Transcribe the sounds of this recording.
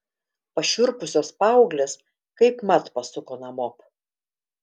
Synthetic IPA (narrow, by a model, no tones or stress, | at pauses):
pɐʃʲʊɾpʊsʲoːspɑˑʊɡlʲeːs | kɐɪpmɐt̪pɐsʊkoːnɐmoːp